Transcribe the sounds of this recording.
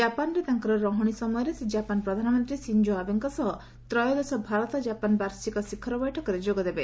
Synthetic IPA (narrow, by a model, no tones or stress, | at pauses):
d͡ʒapanɔɾet̪aŋkɔɾɔɾɔɦɔɽ̃isɔmɔjɔɾesed͡ʒapanpɾɔd̪ʱanɔmɔnt̪ɾisind͡ʒoabiŋkɔsɔɦ | t̪ɾɔjɔd̪esɔbʱaɾɔt̪ɔd͡ʒapanbaɾsikɔsikʰːɔɾɔbɔjʈʰɔkɔɾed͡ʒoɡɔd̪ebe